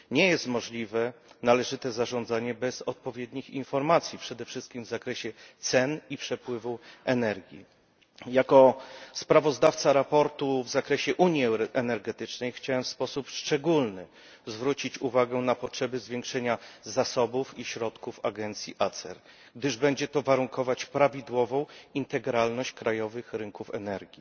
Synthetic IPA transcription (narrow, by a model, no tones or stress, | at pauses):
ɲejɛst̪mɔʐlʲivɛnalɛʐɘt̪ɛzaʐɔ̃nd̪zaɲɛbɛzɔt̪̚pɔvʲjed̪ɲixinfɔɾmat̪sʲjipʂɛd̪ɛfʂɘst̪̚kʲimvzakɾɛɕɛt̪sɛnipʂɛpwɘvuɛnɛɾɡʲjḭ | jakɔspɾavɔzd̪aft̪saɾapɔɾt̪uvzakɾɛɕɛʔuɲjiɛnɛɾɡɛt̪ɘt͡ʂnɛjxt͡ɕawɛmfspɔsupʂt͡ʂɛɡulnɘ | zvɾut͡ɕit͡ɕuvaɡɛnapɔtʂɛbɘzvʲjeŋkʂɛɲazasɔbufiɕɾɔt̪kufa̰ɡɛnt̪sʲjiʔat̪sɛ̰ɾ | ɡd̪ɘʐbɛɲd͡ʑɛt̪ɔvaɾuŋkʰɔvat͡ɕpɾavʲid̪wɔvɔ̃w̃int̪ɛɡɾalnɔɕt͡ɕkɾajɔvɘxɾɘŋkufɛ̰nɛɾɡʲi